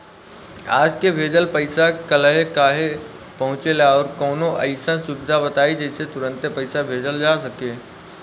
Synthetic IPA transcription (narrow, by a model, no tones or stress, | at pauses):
a̰ːd͡ʒkebʱeːd͡ʒəlpɐɪsakɐlɦekaːɦe | pɐɦʊ̃t͡ʃelaɔːɾkɔːnoʔɐɪsənsʊbɪd̪ʱabɐt̪aːid͡ʒɛːɪset̪ʊɾə̃nt̪epɐɪsabʱeːd͡ʒəld͡ʒasɐkeː